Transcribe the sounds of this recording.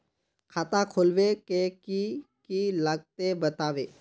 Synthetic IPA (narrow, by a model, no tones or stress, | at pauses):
kʰaːt̪ãkʰolʋekekikilaɡ̚t̪ebət̪aːʋeː